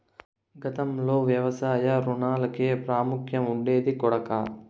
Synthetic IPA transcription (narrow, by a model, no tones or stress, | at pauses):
ɡɐt̪ɐmlo̞ːʋjɐʋɐsaːjɐɾuɳaːlɐkeːpɾaːmukʰjɐmuɳɖe̞ːd̪ikɔɽɐkɐ